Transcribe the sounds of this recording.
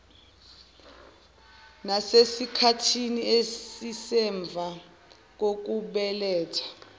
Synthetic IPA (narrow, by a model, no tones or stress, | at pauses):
nasesikʰatʰiniesisɛɱb̪vʱa | k̬ok̬uɓɛlɛːtʰḁ